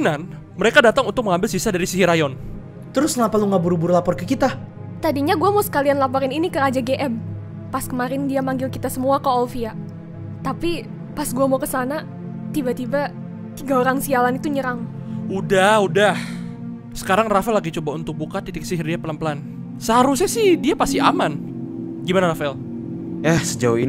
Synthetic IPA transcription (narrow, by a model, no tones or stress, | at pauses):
nan | məɾekadat̪aŋunt̪ʊk̚əŋambɪlsisadaɾisiɦiɾajɔn | t̪əɾʊsŋapaluŋɡabuɾubʊrlapɔrkəkit̪a | t̪adiɲaɡuamosə̥kalianlapɔɾɪninikəɾad͡ʒaɡeʔɛm | paskəmaɾɪndiamaŋɡɪlkit̪asəmuakaɔlfia | t̪api | pasɡuamokəsana | t̪ibat̪iba | t̪iɡaoɾaŋsialanit̪uɲəɾaŋ | udahudah | sə̥kaɾaŋrafɛlːaɡit͡ʃobaunt̪ʊk̚bukat̪it̪ɪk̚siɦirdiapəlampəlan | səɦaɾus̬ɲasɪhdiapast̪iaman | ɡimanaɾafɛl | ahsəd͡ʒain